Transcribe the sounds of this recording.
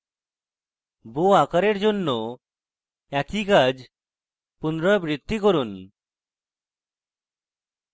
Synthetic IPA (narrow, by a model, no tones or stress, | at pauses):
boakaɾeɾd͡ʑonːo | ɛkikad͡ʑ | punɾɔbɾid̪ːikoɾun